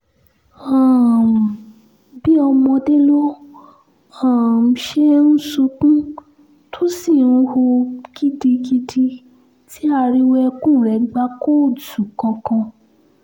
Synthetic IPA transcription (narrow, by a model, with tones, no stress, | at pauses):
ã˨ | bi˦ɔ˧mɔ̃˧de˦lo˦ | ã˨m̩˨ʃe˦n̩˦su˧kũ˦ | tʰo˦si˦˨nũ˦ho˧ki˦di˧ki˧di˧ | ti˦a˧ɾi˦wɛ˦kũ˦˨ɾɛ˨ɡ͡ba˦ko˦˨du˨kɔ̃˧kã˧